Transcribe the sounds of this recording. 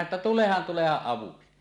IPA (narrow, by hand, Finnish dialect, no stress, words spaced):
ĕtːæ tulehɑn tulehɑʔ ʔɑʋuksi